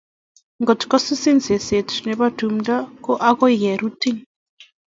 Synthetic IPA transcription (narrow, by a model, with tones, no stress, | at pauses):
ŋɡɔ˨tkɔ˦si˦si˦nse˨se˨tnɛ˨βa˦tu˨m̩da˦kɔ˦ʔa˦kɔ˦ɣɛ˨ɾu˦ti˦ŋ